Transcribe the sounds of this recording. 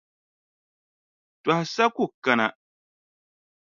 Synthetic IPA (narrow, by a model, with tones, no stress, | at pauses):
twa˨hsa˦kʊ˦˨ka˨na˨